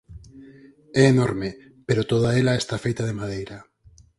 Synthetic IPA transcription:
ɛːnoɾme | peɾot̪oðaelaest̪afejt̪aðemað̞ejɾa

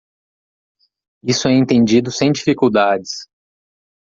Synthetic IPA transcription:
isʊɛẽnt̪ẽnd͡ʒid̪ʊsẽj̃d͡ʒifikuwd̪ad͡ʒɪs

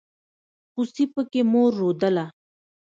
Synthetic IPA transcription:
xusipəkemoɾːod̪əla

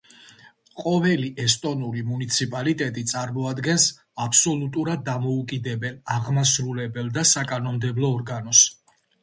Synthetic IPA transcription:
qʼɔvɛliʔɛst̪ʼɔnuɾimunit̪sʰipʼalit̪ʼɛt̪ʼit̪sʼaɾmɔad̪ɡɛns | apʰsɔlut̪ʼuɾad̪ːamɔukʼid̪ɛbɛlˠaʁmasɾulɛbɛlˠd̪asakʼanɔmd̪ɛblˠɔːɾɡanɔs

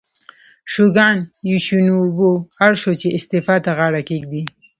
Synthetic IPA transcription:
ʃuɡɑnjuʃunubohaɾʃot͡ʃeɪst̪efɑt̪aɣɑɽakeɡd̪i

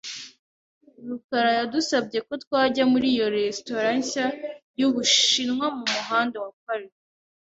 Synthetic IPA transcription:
ɾukaɾajadusabɟe̞ko̞twaːɟamuɾiːjo̞ɾesto̞ɾasajuβuʃinŋwamumuɦaːndewakaɾe

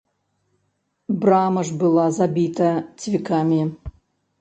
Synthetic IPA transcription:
bramɐʐbɨlˠazabʲit̪ʰɐt͡sʲvʲikʰamʲi

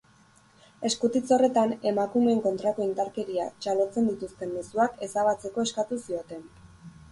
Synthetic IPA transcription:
e̞skut̪it͡so̞re̞t̪ane̞makume̞ːŋko̞nt̪ɾako̞ind̪aɾke̞ɾiat͡ʃalo̞t͡se̞nd̪it̪ust̪e̞mme̞suake̞saβ̞at͡se̞ko̞e̞skat̪usio̞t̪e̞n

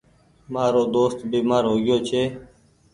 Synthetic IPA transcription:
maːɾoːd̪oːst̪biːmaːɾɦoːɡɪjoːt͡ʃʰeː

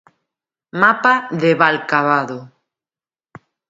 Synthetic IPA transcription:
mapaðeβalkaβaðo

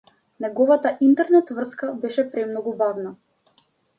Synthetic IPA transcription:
nɛɡɔvat̪aʔint̪ɛɾnɛt̪vr̩skabɛʃɛpɾɛmnɔɡubavna

